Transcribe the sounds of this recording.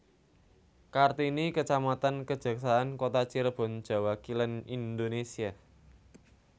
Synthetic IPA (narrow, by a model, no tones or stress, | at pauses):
kart̪inikət͡ʃamat̪ankə̥ʒ̥ä̤ksaankot̪at͡ʃiɾəb̥ɔ̤n̥ʒ̥a̤wakilənind̪onesia